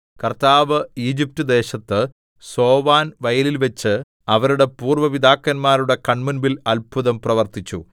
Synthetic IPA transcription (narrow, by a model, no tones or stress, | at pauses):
kɐrt̪aːʋɨiːd͡ʑip̚tɨd̪e̞ːɕɐt̪ːɨ | so̞ːʋaːnʋɐjɐlilʋɐt͡ɕːɨ | ɐʋɐɾuɽe̞puːrʋɐʋid̪aːkːɐnmaːɾuɽe̞kɐɳmunbilɐlpʰuðɐmprɐʋɐrt̪it͡ɕːṵ